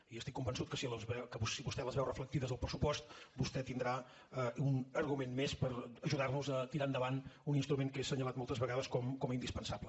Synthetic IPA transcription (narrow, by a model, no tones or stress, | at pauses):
iəst̪ikːumbənsut̪̚kəsiləzβɛkəβusiβust̪ɛləzβɛwrəfləkt̪iðəzðəlˠpɾəsupɔst̪bust̪ɛt̪ind̪ɾa | əunəɾɣumenmespəɾəʒuðarnuzət̪iɾaənd̪əβanuninst̪ɾumenkesəɲəlat̪mɔlˠt̪əzβəɣaðəskɔmkɔməind̪ispənsablə